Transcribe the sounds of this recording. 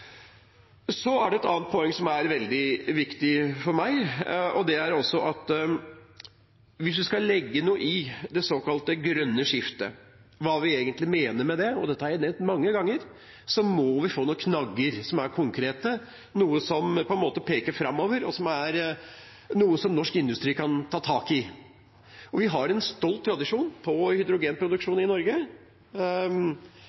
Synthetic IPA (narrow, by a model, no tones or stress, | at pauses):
sɔæɖɛɛt̪ɑːnt̪̚pʰɔɛŋːsɔmæɾʋɛld̪ɪʋɪkt̪ɪfɔɾmæɪʔɔd̪ɛæɾɔsːɔʔɑt̪ | ʋɪsʋɪskɑlɛɡːənuːəʔɪd̪ɛsoːkɑlt̪əɡɾœnːəʂɪft̪ə̰ | ʋɑːʋɪeːɡənt̪lɪmeːnəɾmɛd̪ɛɔd̪ɛt̪ːəæɾɛnɛt̪mɑŋːəɡɑŋːəɾ | sɔmɔʋɪfoːnuːəkʰnɑɡːəɾsɔmæɾkʰʊŋkʰɾeːt̪ə | nuːəsɔmpʰɔɛnmoːt̪əpʰeːkəɾfɾɑmːoːʋəɾɔsɔmæɾ | nuːəsɔmnɔʂkɪnd̪ʉst̪ɾiːkʰɑnt̪ʰɑːt̪ʰɑːkɪ | ɔʋɪɦɑɾɛnst̪ɔlt̪ʰːɾɑd̪ɪʂuːnpʰɔhʏd̪ɾʊɡeːnpʰɾʊd̪ʉkʂuːnɪnɔɾɡə